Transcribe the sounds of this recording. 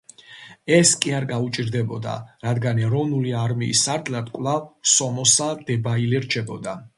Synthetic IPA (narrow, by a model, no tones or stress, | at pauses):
ɛskʼiaɾɡaut͡ʃʼiɾd̪ɛbɔd̪a̰ɾad̪ɡanɛɾɔvnuliaɾmḭːsaɾt̪ʰlad̪kʼvlˠavsɔmɔsad̪̥ɛbailɛɾt͡ʃʰɛbɔd̪a